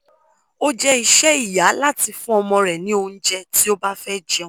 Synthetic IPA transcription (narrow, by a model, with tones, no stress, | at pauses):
o˦d͡ʒɛ˦i˨ʃɛ˦i˦˨ja˨˦la˦ti˧fũ˦ɔ˧mɔ̃˧ɾɛ˨nĩ˨˦o˧n̩˦d͡ʒɛ˧ti˦o˦ba˦fɛ˦d͡ʒɛ̃˧˨˦